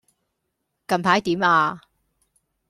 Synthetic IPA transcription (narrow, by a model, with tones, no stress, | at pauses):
kɐ˨˧mpʰaː˨˥jt̪iː˨˥maː˧